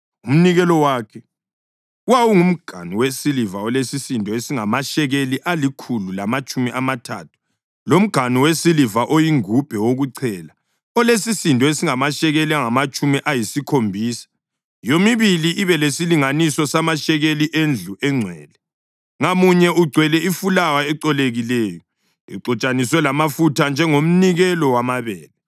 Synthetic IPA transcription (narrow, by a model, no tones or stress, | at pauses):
um̩niɣɛlɔwaːkʰɛ | uwawuŋum̩ɡ̥ʱa̰niwesilivaɔlesisindʱɔesiŋamaʃɛɣeliʔalikʰululamat͡ʃʼumiʔamatʰa̰ːtʰu̥ | lom̩ɡ̥ʱaniwesilivaʔojiŋub̥ʱɛwoɣuǀʰɛːla | ɔlesisindʱɔesiŋamaʃɛɣeliaŋamat͡ʃʼumiʔajisikʰombʱiːsḁ | jomiβiliʔiβɛlesiliŋanisɔsamaʃɛɣeliʔend͡ɮʱuʔɛŋ͡ǀʱwɛ̰ːlɛ | ŋamuɲɛʔuɡ͡ǀʱwɛlɛifulawaɛǀɔleɣilɛːjɔ | ḭǀɔt͡ʃʼaniswɛlamafutʰand͡ʒʱɛŋom̩niɣɛlɔwamaβɛːlɛ